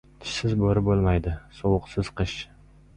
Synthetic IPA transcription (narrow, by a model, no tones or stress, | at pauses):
t̪ʰɪ̥ʃsɪzboɾɪbolˠmajd̪ɪsowʊqsɪz̥qʰɨʃ